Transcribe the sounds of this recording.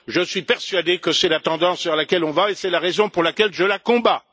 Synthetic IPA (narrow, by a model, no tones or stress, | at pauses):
ʒəsɥipɛʁsɥad̪ekəsɛlat̪ɑ̃d̪ɑ̃svɛʁlakʲɛlɔ̃vaesɛlaʁezɔ̃puʁlakʲɛlʒəlakɔ̃ba